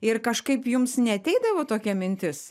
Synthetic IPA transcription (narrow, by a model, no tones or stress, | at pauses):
ɪrkɐʃkɐɪpjʊmsnʲɛɐt̪ʲɛɪd̪ɐʋoːt̪oːkʲɛmʲɪnʲt̪ʲɪs